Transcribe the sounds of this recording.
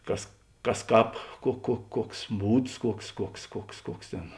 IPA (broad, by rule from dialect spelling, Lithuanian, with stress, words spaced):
ˈkɐs ˈkɐs ˈkɑːp kuɔ kuɔ ˈkuɔks ˈbuːts ˈkuɔks ˈkuɔks ˈkuɔks ˈkuɔks ˈtʲeːn